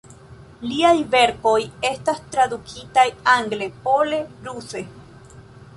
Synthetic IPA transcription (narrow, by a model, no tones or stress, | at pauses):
liajve̞ɾko̞je̞st̪ast̪ɾad̪ukʰit̪ajaŋɡlepo̞le̞pɾuse̞